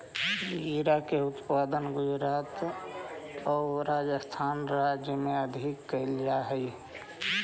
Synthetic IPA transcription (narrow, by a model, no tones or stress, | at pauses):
iɾakeut̪pad̪ənɡʊd͡ʒɾaːt̪ | ɔɾad͡ʒəst̪ʰanɾad͡ʒjəmeəd̪ʱikːəɪld͡ʒaɦɛj